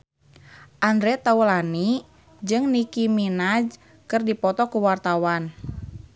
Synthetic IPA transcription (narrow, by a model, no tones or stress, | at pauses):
ʔandɾɛt̪aulani | d͡ʒɨŋnikiminad͡ʒ | kɨrdipɔt̪ɔkuwart̪awan